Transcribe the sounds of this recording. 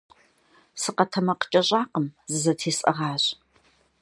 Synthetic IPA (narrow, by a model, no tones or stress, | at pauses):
sɨqɐtʰɐmɐqə̥t͡ʃʼɐɕʼaːqəmzɨzɐtʰeːsʼʔɐ̰ʁɑːɕ